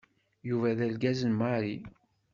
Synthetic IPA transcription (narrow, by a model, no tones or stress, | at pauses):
juvæðælɡæzənmaɾi